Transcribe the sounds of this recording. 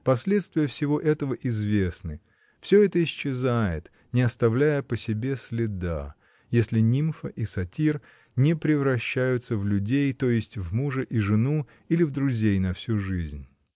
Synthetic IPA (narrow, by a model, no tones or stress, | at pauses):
pɐsʲlʲet̪st̪vʲɪjəfsʲɪvo̞ʔɛt̪əvəʔɪzvʲesnɨ | fsʲɵɛt̪əɪɕɪzajɪ̰t̪ | nʲɪɐst̪ɐvlʲæjəpəsʲɪbʲesʲlʲɪd̪a̰ | jesʲlʲɪnʲimfəʔisɐtʲir | nʲɪpɾʲɪvɾɐɕːæjʊt̪səvlʲʉdʲejt̪o̞jɪsʲtʲvmuʐəʔiʐɨnu | ilʲɪvd̪ɾʊzʲejnɐfsʲuʐɨzʲnʲ